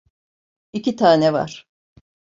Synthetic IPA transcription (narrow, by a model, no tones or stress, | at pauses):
icʰit̪ʰaːnɛva̰ɾ̥